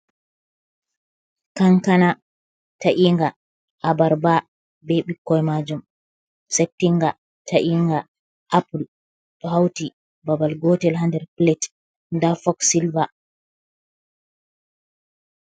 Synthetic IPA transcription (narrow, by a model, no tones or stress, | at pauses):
kaŋkana | taʔiːŋɡa | ʔabaɾba | bɛɓikːɔjmad͡ʒum | sep̚tːiŋɡa | taʔiŋɡa | ʔapul | ɗɔhawti | babalɡɔtɛlɦandɛɾplɛt | ndafɔksilva